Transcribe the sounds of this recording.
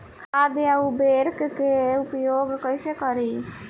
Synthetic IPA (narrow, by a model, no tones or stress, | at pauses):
kʰad̪eaubeɾkkeupjoɡkəɪsekəɾi